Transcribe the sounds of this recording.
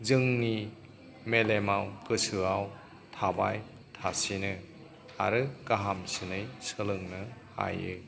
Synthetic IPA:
zɯŋni | melemawkɯsɯaw | tʰaba̰j | tʰasinɯ | a̰ɾɯkaɦamsɯnɯjsɯlɯŋnɯha̰jɯ̰

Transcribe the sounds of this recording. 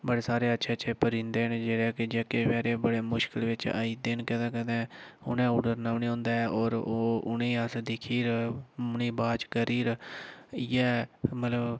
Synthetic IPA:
bəɽeːsaːɾeːətːʃʰeːt͡ʃʰeːpəɾĩːnd̪eːnːd͡ʒeːɽɛːkɪd͡ʒeːkeʋɛːɾeːbəɽeːmʊʃkɪlʋɪt͡ʃə̰iːd̪ɪnkɛ̃ːd̪ãːkɛ̃ːd̪ɛ̃ːʊ̰nɛ̃ːuːɖəɾnaːniːõːnd̪aːɛːɔːɾoːʊ̰nẽːəsd̪ɪkʰiːɾniːbaːt͡ʃkəɾiːɾ | jɛːmət̪ləb

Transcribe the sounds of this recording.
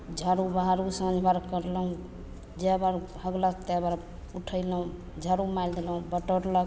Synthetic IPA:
d͡ʒʱaɾubaɦaɾusəd͡ʒʱbaɾkəɾləɦũ | d͡ʒebaɾhəɡlət̪ɛbaɾ | uʈʰəɪləɦũ | d͡ʒʱaɾumajld̪elɦũbəʈəɾlə

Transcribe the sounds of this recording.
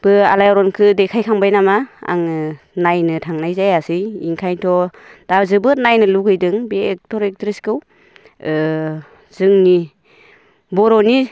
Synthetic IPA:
b̥ɯa̰lajɔɾɔnkʰɯdekʰajkʰaŋbajnamaa̰ŋ | najnɯtʰaŋnajzajasɯjḭŋkʰajtʰɔ | d̥azɯbɯt̚najnɯluɡɯjdɯŋbeːk̚tʰɔɾek̚tɾiskɯw | z̥ɯŋni | bɔɾɔni

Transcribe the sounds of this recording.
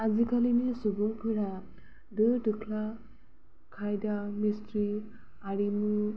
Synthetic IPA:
azikʰalimisubuŋpʰɯɾa | dɯdɯkʰla | kʰajdamistɾi | aɾimu

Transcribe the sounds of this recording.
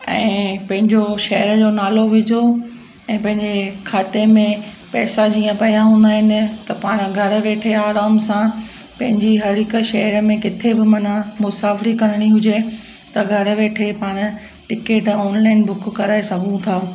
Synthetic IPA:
ɛ̃ːpɐ̃ɦɪ̃ɲd͡ʑoʃɐɦəɾəd͡ʑoːnaːloʋɪd͡ʑʱo | ɛ̃ːpɐ̃ɦɪ̃ɲd͡ʑekʰaːt̪emẽ | pɛːsad͡ʑiːə̃pɐijaɦũːnd̪aːɦɪnɪ̆t̪ɐpaːɽ̃̆ɡʱɐɾə̆ʋeːʈʰeaːɾaːmsã | pɐ̃ɦɪ̃ɲd͡ʑiɦɐɾɪkəʃɐɦəɾəmẽkɪt̪ʰebɪmɐnamʊsaːfɾikɐɾəɽ̃iɦʊd͡ʑe | t̪ɐɡʱɐɾə̆ʋeːʈʰepaːɽ̃̆ | ʈɪkeːʈɔːnlaːɪnbʊkkɐɾaːesɐɡʱũt̪ʰaː

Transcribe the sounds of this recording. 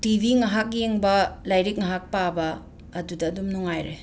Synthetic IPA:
tibʱiŋɐɦak̚jeŋbɐlajɾik̚ŋɐɦak̚pabɐː | dudɐːdumnuŋajɾe

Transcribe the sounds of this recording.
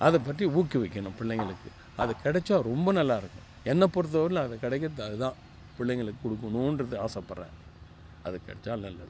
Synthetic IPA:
ʔɐðɛpːɐʈriuːkːɯʋɪkːɐɳʊ̃pɪɭːɛŋɡɐɭɯkːɯ | ɐðɐkɛɽɛt͡ʃːaːɾɔmbɐnɐlːaːɪɾɯkːʊ̃ | ɛnːɐpːɔɾɯt̪̬ːɐʋɐɾlɐːðɐkɪɽɛk̬ːɐt̪ːɐðɯt̪ãː | pɪɭːɛŋɡɐɭɯkːɯkɔɽɯkːɐnʊ̃ndrɐnðɯaːsɐpːɐɾɾɛ̰̃ː | ɐ̰ðɐkːɐ̰ɽɛt͡ʃːaːlnɐlːɐðɯ

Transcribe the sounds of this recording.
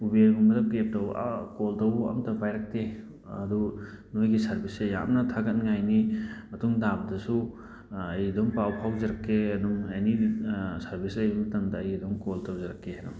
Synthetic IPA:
ubeŋumɐdɐkep̚tɐwa̰koltɐwɐ̰mtɐbajɾɐk̚te | ɐdu | nojɡisɐɾbiseja̰mnɐtʰaɡɐnŋajnimɐtuŋdabɐdɐsu | ɐjɐdoŋpawpʰawzeɾɐkʰːeɐduŋenisɐɾbʱislɐjbɐɐtɐndɐːjɐdoŋkoltɐwzɐɾɐkʰːeanɔ̰

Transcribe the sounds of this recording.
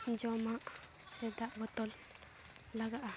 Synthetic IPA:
d͡ʒɔmaʔ | sɛd̪aʔbɔt̪ɔl | laɡaʔa

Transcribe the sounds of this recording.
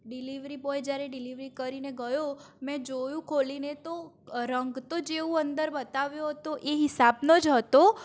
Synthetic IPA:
ɖiliʋɾiboed͡ʒjaɾɛɖɪliʋɾikəɾineɡəjo | mɛ̃d͡ʒojũkʰolinet̪o | ɾəŋɡt̪od͡ʒeũənd̪əɾbət̪aʋjoɦət̪oʔeɦɪsabnod͡ʒɦət̪o

